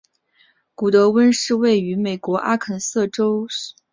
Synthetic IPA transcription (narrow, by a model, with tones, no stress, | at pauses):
ku˨˩t̪ɤ˧˥wə˥nʂɻ̩˥˧we˥˩ɪy˧˥me˨˩ɪkwɔ˧˥ʔa˥kʰə˨˩nsɤ˥˩ʈ͡ʂo˥ʊ˩